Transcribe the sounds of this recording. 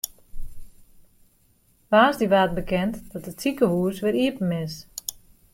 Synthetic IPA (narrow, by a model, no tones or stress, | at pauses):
ʋaːsdiʋaːt̚bəkʰɛntdɔtət͡sikəhuəsʋɪɾiəpn̩ɪs